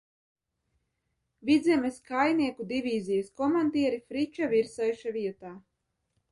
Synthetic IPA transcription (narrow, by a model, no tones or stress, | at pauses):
vʲid̪zʲɛmeskajniɛkud̪ivʲiːzijɐskɔmand̪iɛɾifɾit͡ʃaviɾsajʃaviɛt̪aː